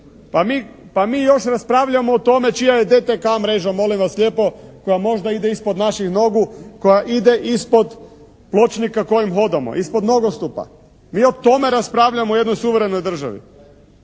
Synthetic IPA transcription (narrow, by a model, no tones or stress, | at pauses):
pamiːpamiːjo̞ʃɾaspɾaʋʎamoːt̪o̞me̞t͡ʃijajed̪et̪ekamɾe̞ːʒamo̞limʋasʎʲe̞ːpo̞ko̞jamo̞ʒd̪aid̪eispo̞d̪naʃixno̞ɡuko̞jaʔid̪e̞ʔispo̞d̪ | plˠo̞t͡ʃnikako̞jimxo̞d̪amo̰ʔispo̞d̪no̞ɡost̪upa̰ | miːo̞t̪o̞me̞ɾaspɾaːʋʎamoojed̪nojsuʋeɾeno̞jd̪r̩ʒa̰ʋḭ